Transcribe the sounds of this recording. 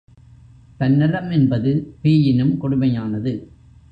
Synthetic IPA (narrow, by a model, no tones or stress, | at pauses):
t̪ɐnːɪlɐmɛnbɐðɯpiːjɪnɯmkɔɽɯmɐjaːnɐðɯ